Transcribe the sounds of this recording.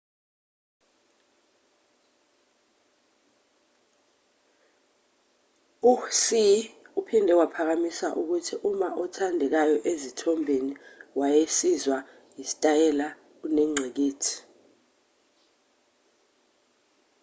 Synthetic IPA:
usiupʰindʱɛwapʰak̬amisaʔuk̬utʰiʔumaʔɔtʰandʱɛk̬ajɔʔezitʰɔmbʱeniwajesizwa | jisi̥tʼajɛla | unɛŋ͡ǀʱɛk̬eːtʰi̥

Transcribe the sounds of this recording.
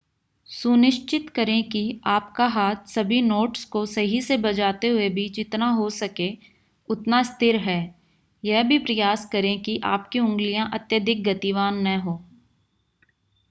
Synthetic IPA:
sʊnɪʃt͡ʃɪt̪kəɾẽkiaːpkaɦaːt̪sɐbʱinoːʈskosɐɦisebɐd͡ʒaːt̪eɦʊebʱiːt͡ʃɪt̪naɦosɐkẽ | ʊt̪nast̪ɪɾɦɛː | jɛɦbʱipɾɐjaːskɐɾẽkiʔa̰ːpkiʊ̃ŋɡlijãʔɐt̪jəd̪ʱɪk̚ɡɐt̪iʋaːnːəɦoː

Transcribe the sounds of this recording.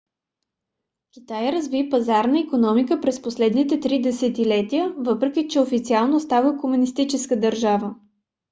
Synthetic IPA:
kʲit̪ajɾɐzvipɐzaɾnəikonɔmikəpɾɛsposlɛd̪nit̪ɛt̪ɾid̪ɛsɛt̪ilɛt̪iəvɤpɾɛk̟ʲit͡ʃɛofit̪sialˠnoːst̪avəkomunist̪it͡ʃɛskəd̪ɐɾʒavə

